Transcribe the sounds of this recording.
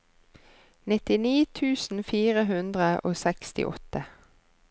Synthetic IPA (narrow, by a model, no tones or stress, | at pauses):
nɪt̪ɪniːt̪ʰʉːsn̩fiːʁəɦʉnd̪ʁəʔoːsɛkst̪ɪ̰ʔɔ̰t̪ə